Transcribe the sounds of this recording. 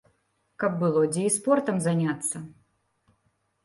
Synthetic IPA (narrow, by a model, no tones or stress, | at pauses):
kɐb̚ːɨlˠɔd͡zʲɛispɔrt̪ɐmzanʲat̪sːɐ